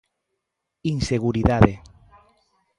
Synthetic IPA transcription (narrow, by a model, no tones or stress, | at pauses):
inseɣuɾiðaðe